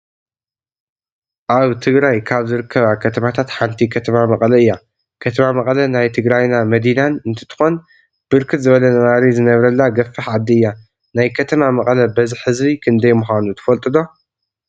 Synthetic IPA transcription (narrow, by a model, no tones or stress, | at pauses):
ʔaβt̪ʰɨɡɾajkʰaβzɨɾɨkʰːɐβakʰɐt̪ʰɐmat̪ʰat̪ħant̪ʰikʰɐt̪ʰɐmamɐχʼlɐɨjːa | kʰɐt̪ʰɐmamɐqʼlɐnajt̪ʰɨɡɾajnamɐd̪inanɨnt̪ʰɐ̥t̪ʰɨ̥xo̞n | b̥ɨɾkʰɨt̪zɨβɐlɐnɐmaɾizɨnɐβɾɐlːaɡɐfːɨħʕad̪ːiɨjːa | najkʰɐt̪ʰɐmamɐqʼlɐbɐziħɨzβikʰɨnd̪ɐjmuxanut̪ʰɨ̥fɐlt̪ʼɨd̪o̞